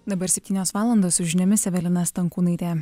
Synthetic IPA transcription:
d̪ɐbɐɾsʲɛp̚ʲt̪ʲiːnʲoːsʋɑːlˠɐnd̪oːssʊʒʲɪnʲɛmʲɪsʲɛʋʲɛlʲɪnɐst̪ɐŋkuːnɐɪt̪ʲeː

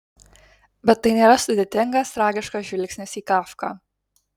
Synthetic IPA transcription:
bʲɛt̪ːɐɪnʲeːɾɐsʊd̪ʲeːt̪ʲɪŋɡɐst̪ɾɑːɡʲɪʃkɐʒʲʋʲɪlʲksʲnʲɪsiːkɑːfkɑ̰ː

